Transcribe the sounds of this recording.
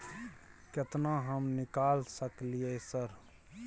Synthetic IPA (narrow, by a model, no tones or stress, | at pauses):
ket̪naɦəmnɪkalsəklijesəɾ